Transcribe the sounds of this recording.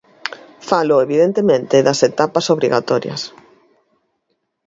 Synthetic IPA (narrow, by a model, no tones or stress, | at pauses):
faloeβiðent̪emẽnt̪ɪðɐset̪apasoβɾiɣat̪ɔɾjɐ̰s